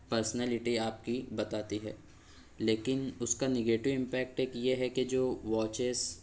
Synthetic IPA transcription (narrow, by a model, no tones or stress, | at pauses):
pɐɾsənɛːlɪʈiaːp̚kibɐt̪aːt̪iɦɛː | leːkɪnʊskanɛɡeːʈɪʋɪ̃mpɛːk̚ʈeːkjeɦɛked͡ʒoːʋɔːt͡ʃez